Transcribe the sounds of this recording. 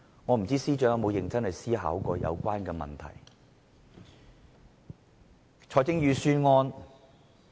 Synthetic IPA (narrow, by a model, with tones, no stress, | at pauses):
ŋɔː˨˧m̩˨˩t͡siː˥siː˥t͡ʃœː˨˥ŋjɐ˨˧mo˨˧wjɪ˨˩ŋt͡sɐ˥ŋhɐ˨˩jsiː˥ɦa̰ː˨˥wkɔː˧jɐ̰˨˧wkʷaː˥nkɛː˧mɐ̰˨˩nt̪ʰɐ̰˨˩j | t͡ʃʰɔː˨˥jt͡sɪ˥ŋjyː˨˧syː˥nŋɔː˥n